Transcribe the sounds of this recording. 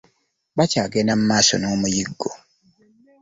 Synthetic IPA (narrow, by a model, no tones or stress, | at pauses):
bacaːɡenam̩maːso̰noːmujiɡːo